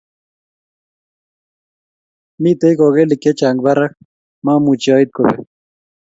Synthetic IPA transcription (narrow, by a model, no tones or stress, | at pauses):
mit̪ejkoɣelikːet͡ʃaŋɡ̚baɾak | mãːmũt͡ʃɑːit̪̚kobḛ